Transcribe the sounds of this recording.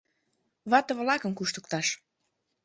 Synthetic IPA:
βɑt̪əβlɑkə̆mkuʃt̪ə̥̆k̚t̪ɑʃ

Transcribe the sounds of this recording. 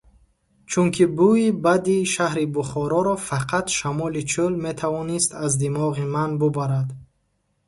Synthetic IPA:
t͡ʃʰuŋkʰibuibad̪iʃahɾibuχɔɾɔɾɔfaqʰat̪ʃamɔlit͡ʃʰulmet̪ʰavɔnist̪azd̪imɔʁimanbubaɾad̪

